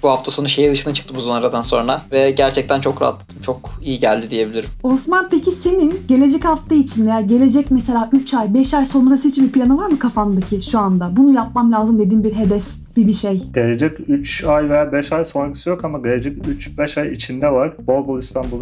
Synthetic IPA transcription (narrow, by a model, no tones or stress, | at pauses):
buhaft̪ʰaso̞nuʃejizɯʃɯnat͡ʃʰɯ̥kt̪ɯmuzonaɾad̪anso̞nɾavɛɟæɾt͡ʃʰɛc̚t̪ʰænt͡ʃʰo̞kɾa̰ɦa̰t̪lˠad̪ʰɯmt͡ʃʰo̞kijiɟælʲd̪id̪ije̞bilʲiɾimo̞smanpecʰise̞ninɟe̞lʲe̞d͡ʒɛchaft̪ʰait͡ʃʰinvejaːɟe̞lʲe̞d͡ʒɛcmɛse̞lʲaːʔyt͡ʃajbɛʃajso̞nɾasɯit͡ʃʰinbipʰlʲanɯvaɾmɯkʰafand̪acʰiʃuand̪abunujap̚mamlʲaːzɯmd̪e̞d̪iːnbiɾɦe̞d̪ɛs | b̥ibiʃejɟ̥e̞lʲe̞d͡ʒɛcyt͡ʃajve̞jaːbɛʃajsonkʰɯ̥sɯjo̞kamaɟe̞lʲed͡ʒɛcyt͡ʃbɛʃajit͡ʃʰind̪ɛvaɾ̥bolˠbulˠist̪ʰanbulˠa